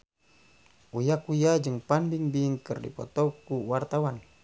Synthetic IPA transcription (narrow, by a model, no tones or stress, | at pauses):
ujakujad͡ʒɨŋpanbiŋbiŋkɨrdḭpɔ̰t̪ɔkuwart̪awan